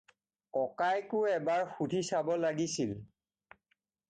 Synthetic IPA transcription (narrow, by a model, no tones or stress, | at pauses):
kɔkajkʊɛbaɹxutisabɔlaɡisil